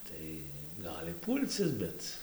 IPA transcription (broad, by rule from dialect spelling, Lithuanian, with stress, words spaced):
ˈtɐɪ ˈɡɑːlʲɪ ˈpuːlʲt͡s ɪs ˈbʲɛt